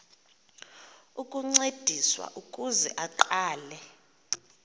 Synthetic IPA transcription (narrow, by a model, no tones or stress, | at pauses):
ukʼuŋ͡ǀed̥ʱiswa̰ʔukʼuzɛʔaǃaːlɛ